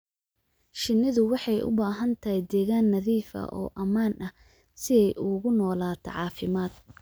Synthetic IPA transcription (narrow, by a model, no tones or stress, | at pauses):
ʃɪnːɪðʊwɑħɑjʔʊ̰baːɦɐnt̪ʰɐɦɛd̪ɛːɣaːnːɐðiːfɐ̰ʔɔ̰ːʔɐmaːnɐh | sɪjɛjʔʊɣʊnɔːlaːt̪ʰɐ̰ʕɑːfɪmaːd̪̥̚